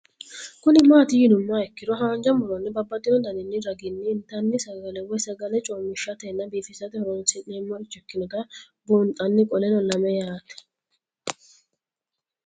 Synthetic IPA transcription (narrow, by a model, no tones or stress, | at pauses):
kʊnɪmaːt̪ɪjɪnʊmːaɛkːɪd̪ɔɦaːnd͡ʒɐmbʊɾɔnːɪbɐbːɐt̪ʼːɪnɔd̪ɐnɪnːɪɾɐɡɪnːɪːnt̪ɐnːɪsɐɡɐlɛwɔjsɐɡɐlɛt͡ʃʼoːmːɪʃːɐt̪ɐɛnːɐbiːfɪsɐt̪ɪhɔɾɔnsɪneːmːɔɪt͡ʃːɔkːɪnɛɡɐ | bont̪ʼɐnːɪkʼɔlɛnɔlɐmɛjaːt̪ɛ̥